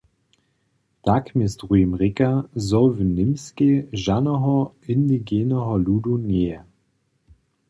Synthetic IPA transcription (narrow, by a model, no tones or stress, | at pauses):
d̥akmɪstʁuimʁɪkazɔvənɪmskeʒanəɦɔ | ɪndiɡeːnəɦɔluːduneːə